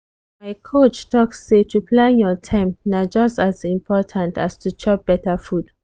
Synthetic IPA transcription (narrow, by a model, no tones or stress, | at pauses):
maɪkʰot͡ʃtʰɔksːetʰupʰlãnjɔtʰãɪ̃mnad͡ʒʌstazĩmpʰɔtʰãntastʰut͡ʃʰɔp̚b̥ɛtəfud̥